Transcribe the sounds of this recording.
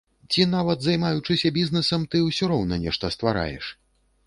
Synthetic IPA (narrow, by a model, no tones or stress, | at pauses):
t͡sʲinavɐd̪zajmajut͡ʂɨsʲɐbʲiznɛsɐmt̪ɨwsʲuɾɔwnɐnʲɛʂt̪ɐst̪vaɾa̰jɛ̰ʂ